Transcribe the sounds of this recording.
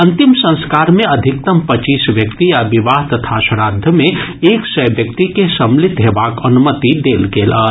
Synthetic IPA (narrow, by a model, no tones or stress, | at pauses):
ɐ̃nt̪imsə̃nskaːɾmeəd̪ʱɪk̚t̪əmpət͡ʃiːsʋjəkt̪iabiʋaːɦt̪ət̪ʰaʃəɾaːd̪ʱəmeeːksəjbjək̚t̪ikesəmlit̪ɦeʋaːkənumət̪id̪eːlɡeːlə